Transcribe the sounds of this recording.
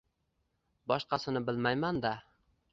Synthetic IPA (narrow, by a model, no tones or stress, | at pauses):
bɒʃqɑsɪnɪbɪlmajmand̪a